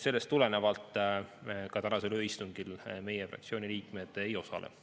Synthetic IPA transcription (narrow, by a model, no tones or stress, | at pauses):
se̞lːe̞st̪ːˑule̞ne̞vɑlt̪ːˑ | kɑt̪ænɑse̞løːist̪uŋɡ̥ilme̞jefrɑ̰k̚tsio̞ːniliːkme̞d̪̥ejo̞sɑ̰lḛ